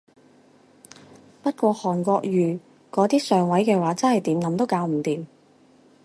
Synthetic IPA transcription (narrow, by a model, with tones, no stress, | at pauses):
pɐ˥t̚kʷɔː˧hɔː˨˩nkʷɔː˧k̚jyː˨˩ | kɔː˨˥t̪iː˥sœː˨ŋwɐ˨˥jkɛː˧waː˨˥t͡sɐ˥nhɐ˨jt̪iː˨˥mnɐ˨˥mt̪o˥wkaː˨˧˥wm̩˨˩t̪iː˨˧m